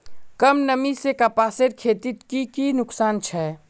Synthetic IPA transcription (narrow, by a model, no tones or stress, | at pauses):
kəmnəmisekapaːseɾkʰeːt̪it̪kikinʊksaːnt͡ʃʰɛ